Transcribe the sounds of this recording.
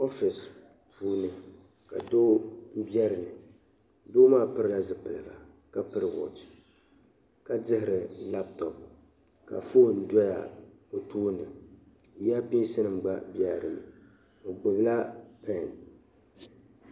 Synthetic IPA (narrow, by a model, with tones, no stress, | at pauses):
o˦fi˨s | pʰuː˦nɨ˨ | ka̰˨doː˦m̩˦bjɛ˦ɾɨ˨nɨ˨ | doː˦maː˦˨pɨ˦ɾɨ˦la˦zɨ˨pɨ˨lɨ˨ɡa̰˨ | ka˦pɨ˦ɾɨ˨wɔ̰˨t | ka˨dɪ˦hɪ˨ɾɨ˨la˦p̚tɔ˨p | ka̰˨foː˦n̩˦dʷɔ˦ja̰˨ | o˨tuː˦nɨ˨ | ja˦pi˦sɨ˦nɨ˨mɡ͡ba̰˦bjɛ˦˨ɾɨ˨nɨ˨ | o˨ɡ͡bo˨bla˦pɛ˦˨n